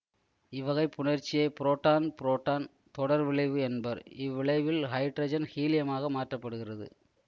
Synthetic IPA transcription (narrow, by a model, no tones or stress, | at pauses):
ɪʋɐɣɐɪpːʊɳɐɾt͡ʃːɪjɐɪpɪɾoːʈːaːnpɪɾoːʈːaːn | t̪ɔɽɐɾʋɪɭɐɪʋɯɛnbɐɾɪʋːɪɭɐɪʋɪlhɐɪʈɾɐd͡ʒɐnhiːlɪjɐmaːɣɐmaːʈrɐpːɐɽɯɣɪrɐðɯ̰